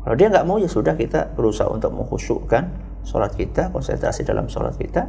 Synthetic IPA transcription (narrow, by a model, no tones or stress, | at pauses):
kalawdiaŋɡaʔmojasudahkit̪abəɾusaɦa̰ṵnt̪ʊk̚məŋhusuʔkan | so̰lat̪̚kit̪akɔnsɛ̰nt̪ɾasidalʔa̰msola̰t̪̚kit̪a